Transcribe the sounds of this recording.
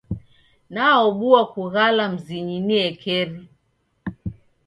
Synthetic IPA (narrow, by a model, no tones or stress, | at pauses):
naɔɓuakuɣalam̩ziɲiniɛkʰɛɾi